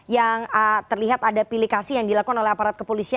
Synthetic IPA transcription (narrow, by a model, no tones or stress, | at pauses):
jaŋət̪ərliɦat̪adapilikasijaŋdilakukanolɛhapaɾat̪̚kəpolisi